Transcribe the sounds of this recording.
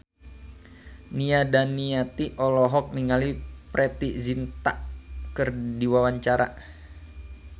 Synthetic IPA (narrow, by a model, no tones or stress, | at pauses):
niadanːiat̪iʔɔlɔɦɔk̚niŋalipɾʔɛt̪iʔzint̪aʔkərdiwawaɲt͡ʃaɾa